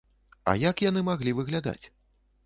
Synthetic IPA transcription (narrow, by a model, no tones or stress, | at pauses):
ɐ̰jakjanɨmaɣlʲivɨɣlʲad̪a̰t͡sʲ